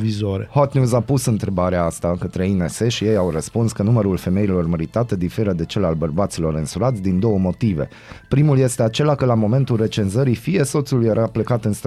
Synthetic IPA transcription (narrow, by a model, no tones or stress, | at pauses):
vizoɾehot̪njuzapusɨnt̪ɾe̞baɾeaast̪akət̪ɾe̞inese̞ʃije̞jawrəspunskənuməɾulfe̞me̞ilo̞rməɾit̪at̪ed̪ife̞ɾəd̪e̞t͡ʃe̞lalbərbat̪silo̞ɾɨnsuɾat̪sʲd̪ind̪o̞wəmo̞t̪ive̞̰ | pɾimulje̞st̪e̞at͡ʃe̞lakəlamo̞me̞nt̪ulre̞t͡ʃe̞nzəɾifije̞so̞t̪sulujeɾʔaplekat̪ɨnst̪